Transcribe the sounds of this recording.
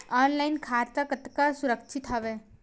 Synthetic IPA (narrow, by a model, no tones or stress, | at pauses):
aːnlaɪnkʰaːɾt̪akət̪kasʊɾəkt͡ʃʰit̪ɦɔʋe